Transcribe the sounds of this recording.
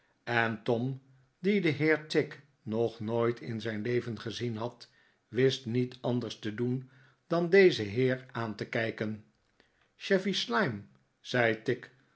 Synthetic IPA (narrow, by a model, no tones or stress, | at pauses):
ɛntɔm | didəɦɪːɹtɪk | nɔχnoːjtʰɪ̰nzɛjnlejvənχəzinɦɑt | ʋɪstnitʰɑndəɹstədun | d̥ɑndejzəɦɪːɹaːntəkɛjkən | ʃɛfislajm | z̥ɛjtɪk